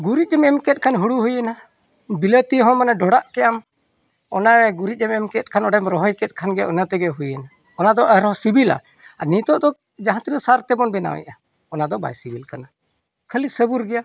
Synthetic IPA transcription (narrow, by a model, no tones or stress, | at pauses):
ɡuɾit̪̚d͡ʒɛmɛmkɛt̪̚kʰanɦuɽuɦujəna | bilət̪iɦɔ̃manaɖɔɽaʔkɛjam | ɔnaɾɛɡuɾit̪̚ˀd͡ʒɛmɛmkɛt̪̚kʰanɔɽɛmɾɔɦɔjkɛt̪̚ˀkʰanɡɛa̰ʔunat̪ɛɡɛɦujəna | ɔnad̪ɔʔɾɔsibila̰ | anit̪ɔʔd̪ɔ | d͡ʒaɦãt̪ɛnɛsaɾt̪ɛbɔnbɛna̰wɛ̰ʔa | ɔnad̪ɔba̰jsibilkana | kʰəlisəbuɾɡɛja